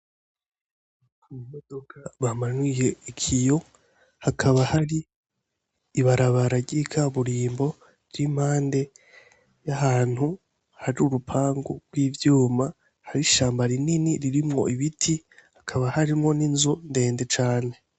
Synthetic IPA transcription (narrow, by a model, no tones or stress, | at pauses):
kumimodo̞kaβamanwije̞ikʰijo̞ | hakʰaβahaɾi | iβaɾaβaɾaɟɟikʰaβuɾiːmbo̞ | iɾim̥haːnde̞ | jaɦaːn̥hu | haɾiuɾupʰaːŋɡṵɾɡwiːvjuːma | haɾiʃaːmbaɾininiɾiɾimŋo̞̰ʔiβitʰihakʰaβahaɾimŋo̞ninzunde̞ːnde̞t͡ʃaːne̞